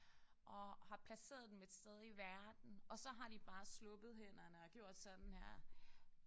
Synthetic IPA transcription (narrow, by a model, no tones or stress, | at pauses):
ʔɒ̽hɑ̈pʰlæse̝̰ːɐðˠd̥emeed̥sd̥eð̞ˠiʋæɐd̥n̩ɒ̽sɒ̽ɦɑ̈d̥ib̥ɑ̈ːslɔ̽b̥ð̞̩ˠɦen̰ɐnəɒɡ̥jo̝ɐ̰d̥sɒ̽d̥n̩hæɐ̰